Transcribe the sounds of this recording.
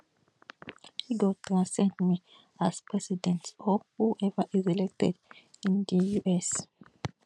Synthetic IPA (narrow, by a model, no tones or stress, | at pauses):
hiɡɔtʰɹãnsɛ̃ndmi | aspɹɛsidɛ̃ntsɔhuʔɛvəʔizilɛk̚tɛ̰dĩnd̪əjuʔɛs